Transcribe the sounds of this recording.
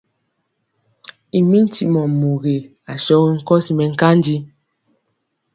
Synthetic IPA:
i˨mi˦n̩˦ti˨ʔmɔ˨mo˨ɣe˨ | a˨ʃɔ˦ɣi˦ŋ̩˦kɔ˦si˨mɛ˨ŋ̩˦ka˦n˦di˦

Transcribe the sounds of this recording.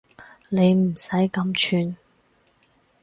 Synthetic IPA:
le˨˧jm̩˨˩sɐ˨˥jkɐ˨˥mt͡ʃʰyː˧n

